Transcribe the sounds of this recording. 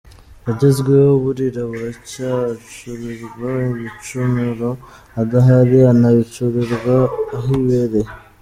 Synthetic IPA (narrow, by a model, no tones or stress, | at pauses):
aɟezɡwehoβuɾiɾaβuɾacat͡ʃuβiɾwauβit͡ʃumiɾo | aɡaɦaɾianaβit͡ʃuβiɾɡaɦiβeɾe